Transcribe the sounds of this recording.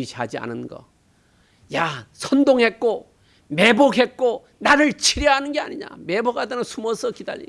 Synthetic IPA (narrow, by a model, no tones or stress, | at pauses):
iɕʰɦad͡ʑia̰nɯnɡʌ̰ | jasʰʌndoŋɦe̞t̚k͈o | me̞boɡɦe̞t̚k͈o | naɾɯɭt͡ɕʰiɾjʌɦanɯnɡea̰ɲiɲa̰me̞boɡhadɯnɯnsʰumʌsʰʌkida̰ʎʔḭɲ